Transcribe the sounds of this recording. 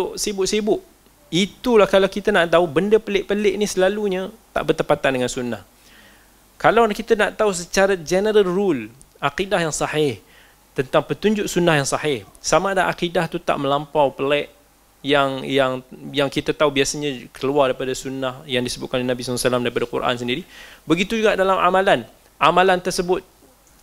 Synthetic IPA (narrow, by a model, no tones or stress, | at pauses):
ʔsibʊʔsibʊʔ | it̪ulahkalawkit̪anaʔt̪aubəndəpəlɪʔpəlɪʔnisəlaluɲət̪a̰ʔbərt̪əpat̪andəŋansunːah | kalawnkit̪anaʔt̪aus̬ət͡ʃaɾad͡ʒɛnəɾəlrul | aqidahjaŋsɑhɪh | t̪ənt̪aŋpət̪uɲd͡ʒʊʔsunːahjaŋsɑhɪhsamaːdaʔaqidaht̪ut̪a̰ʔmə̃lampawpəlɛʔ | jaŋjaŋjaŋkit̪at̪aubiasaɲãkəluardaipadasunːahjaŋdisəbʊt̪̚kanolinabisasəlamdaɾipadakṵɾʔa̰ns̬əndiɾibəɡit̪ud͡ʒuɡaʔdalama̰malan | ʔamãlant̪ərsəbʊt̪̚